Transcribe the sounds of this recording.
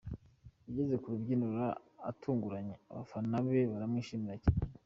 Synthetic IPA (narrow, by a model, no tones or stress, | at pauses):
iɟe̞ze̞kuɾubɟinuɾa̰ːtʰuːŋɡuɾaɲea̰βa̰fannaβe̞βaɾamŋiʃiːmiɾaca